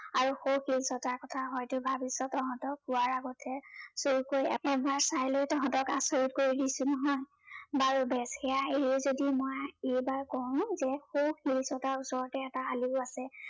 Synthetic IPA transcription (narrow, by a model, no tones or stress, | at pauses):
aɹuxowxilsɔtaɹkɔtʰaɦɔjtʊbʱabisɔtɔɦɔ̃ntɔk̚ːʊwaɹaɡɔtʰɛsoɹukojɛ̰ɛbaɹsajlojtɔɦɔ̃ntɔkasoɹit̚koɹidisʊnɔɦɔj | baɹubɛshɛjaɦeɹiɛzodimɔjejbaɹkɔɹʊ̃zɛxowkilsɔtaɹusɔɹɔtɛːtaaliʊasɛ